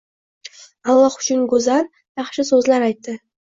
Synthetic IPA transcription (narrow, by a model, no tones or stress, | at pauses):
ɑlˠɑqʊ̥t͡ʃɪnɡɵzan | jɑχʃɪsɵzlaɾajt̪ːɪ